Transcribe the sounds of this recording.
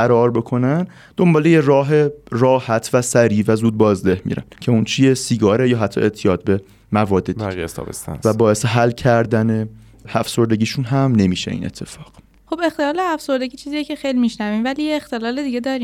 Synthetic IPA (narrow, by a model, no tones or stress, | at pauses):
æɾɒːɾbe̞kʰo̞næn | d̪̥o̞mbɒːlejerɒːɦe̞rɒːhæt̪ʰvæsæɾiːvæzuːd̪̚bɒːzd̪e̞hmḭːɾæ̰ncʰe̞unt͡ʃʰijesiɡɒːɾejɒːɦæt̪ʰːɒ̰ːʔe̞ʔt̪ʰijɒːt̪̚be̞ | mævɒːd̪ːed̪iiijḛst̪ʰɒ̰bḛst̪æ̰nvæbɒːje̞seɦælːcʰæɾd̪æne | æfso̞ɾd̪e̞ɟʲiːʃunɦæmne̞miːʃḛḭnḛt̪ʰːe̞fɒːɢ̥ | xo̞be̞xt̪e̞lɒːleæfso̞ɾd̪eɡiːt͡ʃʰiːzijecʰexejlimiʃnævimvæliːjeext̪e̞lɒːled̪iɡed̪ɒːɾi